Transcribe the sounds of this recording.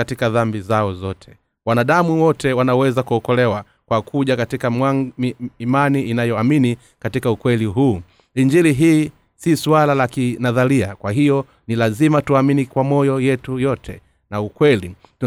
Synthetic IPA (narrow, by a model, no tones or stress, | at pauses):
atikaðambizaɔzɔtʰɛ̥ | wanaɗamuwɔtʰɛwanawɛzakuɔkɔlɛwa | kwakʰuʄakatikamaimaniinajɔamini | katikaukwɛliɦuː | iɲd͡ʒiliɦiː | sisualalakinaðalia̰kwaɦijɔ | nilazimatuaminikwamɔjɔjɛtujɔtʰɛ̰ | naukwɛlit